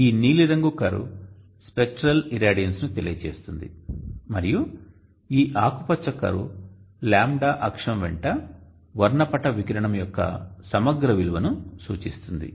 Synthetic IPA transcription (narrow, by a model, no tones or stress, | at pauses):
iːniːliɾɐŋɡukːɐɾṵ | spek̚ʈɾɐliɾaːɽijɐnsnut̪elijɐt͡ʃḛːst̪und̪ḭmɐɾiju | iːʔaːkupɐt͡ʃːɐkːɐ̰ɾṵ | laːmɖaːʔɐkʂɐmʋɛ̰ɳʈɐ | ʋɐɾɳɐpɐʈɐʋikɐɾɐɳɐmjɔkːɐ̰sɐmɐɡɾɐʋilʋɐnusṵːt͡ʃist̪und̪ḭ